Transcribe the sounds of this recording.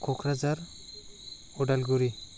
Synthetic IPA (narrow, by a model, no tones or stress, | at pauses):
kʰɔkʰɾazaɾ | ɔdalɡuɾi